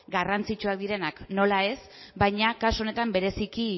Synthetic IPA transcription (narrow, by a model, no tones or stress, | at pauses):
ɡarant͡sit͡ʃuak̚d̪iɾe̞nakno̞lae̞sbajɲakasone̞t̪ambe̞ɾe̞siki